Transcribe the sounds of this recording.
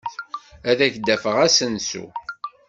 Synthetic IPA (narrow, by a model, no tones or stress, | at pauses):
æðæçd̪ːæfəʁæsənsṵ